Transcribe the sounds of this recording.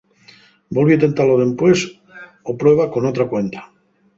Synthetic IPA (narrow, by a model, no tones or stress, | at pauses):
bolβit̪ent̪aloðempwe̞s | opɾwe̞β̞ako̞not̪ɾakwe̞nt̪ḁ